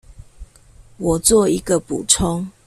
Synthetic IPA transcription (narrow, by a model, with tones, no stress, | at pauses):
wɔ˨˩t͡swɔ˥˨i˦ɡə˨pṵ˨ʈ͡ʂʰɔ˦ŋ